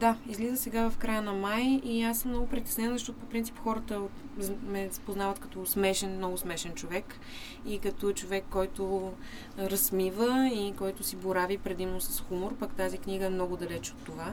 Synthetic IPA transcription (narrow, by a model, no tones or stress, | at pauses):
d̪aizlizəsɛɡavɐfkɾajənɐmajiasːəmnɔɡʊpɾit̪ɛ̥snɛnzəɐʃt̪ɔt̪ʊpopɾint̪sipxɔɾət̪ə | mɛspoznavət̪kɐ̥t̪ɔsmɛʃɛnmnɔɡʊsmɛʃɛnt͡ʃovɛk | ikɐt̪ɔt͡ʃovɛkːɔjt̪ʊ | ɾɐsmivəikɔjt̪ʊsiboɾavipɾɛd̪imnosɐ̥sxumoɾpəkt̪azikniɡəɛmnɔɡʊd̪ɐlɛt͡ʃot̪ːova